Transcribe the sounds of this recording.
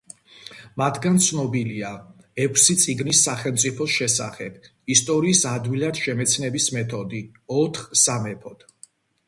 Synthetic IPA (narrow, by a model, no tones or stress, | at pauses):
mat̪ʰɡant̪sʰnɔbilia | ɛkʰsit̪sʼiɡnisːaχɛlˠmt̪sʼipʰɔsʃɛsa̰χɛb̥ | ist̪ʼɔɾiːsad̪wilad̪̥ʃɛmɛt̪sʰnɛbismɛt̪ʰɔd̪i | ɔt̪ʰχsamɛpʰɔd̪̥